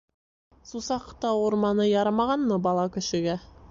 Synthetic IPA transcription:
susɑqt̪ɑuɾmɑnɤjɑɾɑmɑʁɑnːɤbɑlˠɑkɵ̆ʃɘ̆ɡæ

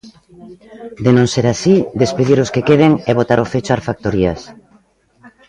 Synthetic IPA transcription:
d̪enõŋseɾasid̪espeðiɾʊskekeðeŋɛβot̪aɾʔofet͡ʃoaɾfak̚t̪oɾias

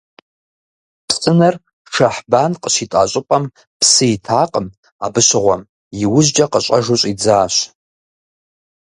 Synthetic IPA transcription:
pʰsʼɨnar | ʂaħbanqʼəʃʷitʼa̰ɕʷʼɪpʼam | pʰsɨjtʰaːqʼəm | abɨɕʷɪʁʷam | iwʊʒd͡ʒaqʼəɕʷʼaʐoɕʷʼid͡zaːʃʷ

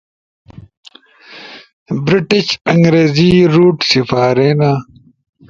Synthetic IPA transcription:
bɾiʈiɕɐŋɡɾeːziɾuːʈsifaːɾeːnaː

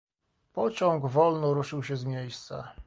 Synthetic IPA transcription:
pɔt͡ɕɔ̃ŋɡvɔlnɔɾuʂɘwɕɛzmʲjejst̪sa̰

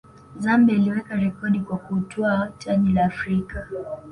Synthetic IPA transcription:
zambɛiliwɛkaɾɛkɔɗikwakutʰɔat͡ʃaɲilaːfɾika

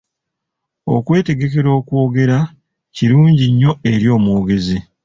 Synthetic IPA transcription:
o̞̰kwe̞ːte̞ɡe̞ke̞ɾo̞ːkwoːɡe̞ɾa | ciɾuːɲɟiɲːo̞e̞ɾjo̞ːmoːɡe̞zi

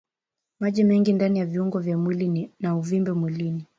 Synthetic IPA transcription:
maʄimɛŋɡindanijaviuŋɡɔvjamwilinnauvimbɛmwilini

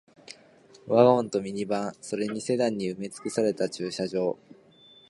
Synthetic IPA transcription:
βaõnt̪o̞mʲiɲ̟ibãɰ̃so̞ɾe̞ɲ̟ise̞d̪ãɲ̟ːiɯ̟me̞t͡sɨ̥kɯ̟saɾe̞t̪at͡ɕɨːɕaʑo̞ː

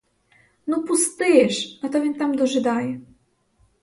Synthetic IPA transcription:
nupust̪ɘjɛʂnat̪ɔvʲɛmt̪amd̪ɔʐɛd̪ajɛ

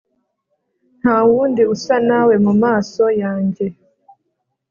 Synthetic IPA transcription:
n̥hawuːndiusanawe̞mumaːso̞jaːɲɟe̞

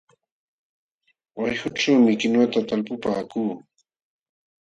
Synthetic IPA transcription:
wajhʊʈ͡ʂawmɪkɪnat̪at̪alpʊpaːkuː

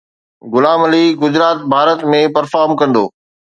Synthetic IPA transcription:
ɡʊlaːmɐliɡʊd͡ʑɾaːt̪̚bʱaːɾət̪mẽpɐɾfaːɾmkɐ̃nd̪o̰ː

